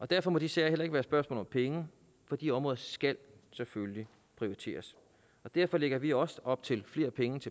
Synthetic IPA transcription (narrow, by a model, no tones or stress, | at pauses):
ʔɒ̽d̥æɐ̰fɒ̽mɒ̽d̥isæɐel̰ɐe̝ɡ̥ʋæːɐsb̥ɶɐsmɔ̰ːlɒ̽mpʰeŋə | fɒ̽d̥iɒ̽mʁɔ̽ːðˠsɡ̥ælsefølli | pʰʁioʁit͡sʰe̝̰ːɐs | ɒ̽d̥æɐ̰fɒ̽leɡ̥ɐʋiɒ̽sɒ̽b̥̚t͡sʰe̝lfle̝ːɐpʰeŋət͡sʰe